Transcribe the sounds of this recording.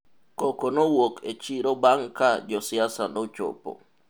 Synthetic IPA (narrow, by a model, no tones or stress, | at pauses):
kokonowoket͡ʃiɾobaŋkad͡ʒɔsiasa̰not͡ʃo̰po̰